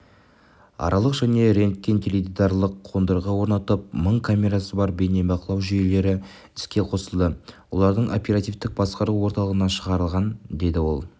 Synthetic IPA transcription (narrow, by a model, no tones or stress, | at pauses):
ɑ̰ɾɑlˠəqʒ̥æne̞ɾe̞nk̚kʲːent̪ʲʰeled̪id̪ɑɾlˠəqʰːo̞nd̪əɾʁɑwo̞ɾnɑt̪əp̚məɴkʰamʲe̞ɾasəbɑɾbene̞bɑqəlˠɑwʒʏje̞le̞ɾɪ | ɪskʲe̞qʰo̞səlˠd̪əwo̞lˠɑɾd̪əɴʔo̞̰pʲe̞ɾat̪ijft̪ɪk̚bɑsqɑɾuwo̞ɾt̪ɑlˠəʁənɑʃəʁɑɾəlˠʁɑnd̪e̞d̪ɪwo̞̰lˠ